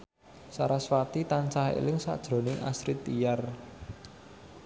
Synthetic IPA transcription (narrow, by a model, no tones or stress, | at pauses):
saɾaswat̪it̪ant͡ʃaɦḛlɪŋsa̰d̥ʒ̥ɾo̤nɪŋʔa̰sɾit̪ijar